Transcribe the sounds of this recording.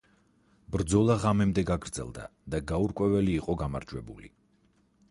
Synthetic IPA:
b̥ɾd̪zɔlˠaʁamɛmd̪ɛɡaɡɾd̪zɛ̰lˠd̪a̰d̪̥aɡauɾkʼwɛvɛliːqʼɔɡamaɾd͡ʒwɛbulḭ

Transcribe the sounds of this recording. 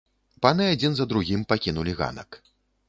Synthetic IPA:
panɨad͡zʲinzɐd̪ɾuɣʲimpakʲinulʲiɣa̰nɐ̰k

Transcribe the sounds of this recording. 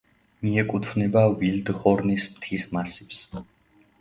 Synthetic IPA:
miɛkʼut̪ʰvnɛbavild̪χɔɾnismt̪ʰismasips

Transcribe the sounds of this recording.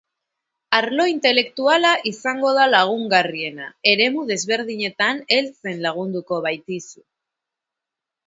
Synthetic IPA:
aɾlo̞int̪e̞le̞kt̪ualaʔisaŋɡo̞ð̞alaɣ̞uŋɡarie̞nae̞ɾe̞muð̞e̞zβe̞ɾðiɲe̞t̪ane̞lt͡se̞nlaɣ̞und̪uko̞βajt̪isu̥

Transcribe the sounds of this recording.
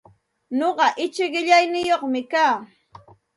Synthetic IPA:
noɢɑʔɪt͡ʃɪɢɪʎajnɪjoχmɪkaː

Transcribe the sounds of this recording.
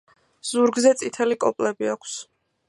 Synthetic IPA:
z̥uɾɡzɛt̪sʼit̪ʰɛlikʼɔpʼlɛbiakʷʰs

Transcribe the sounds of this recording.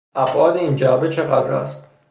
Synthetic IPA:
ʔæbʔɒːd̪eiːnd͡ʒæɒːbet͡ʃʰeɣæd̪ɾæ̰ːst̪

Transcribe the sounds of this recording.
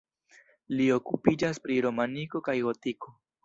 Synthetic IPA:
lio̞kupid͡ʒaspɾiɾo̞maniko̞kajɡo̞tiko̞

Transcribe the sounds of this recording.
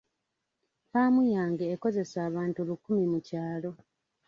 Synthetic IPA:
paːmujaːŋɡeːko̞ze̞saːβaːntulukːumimucaːlo̞

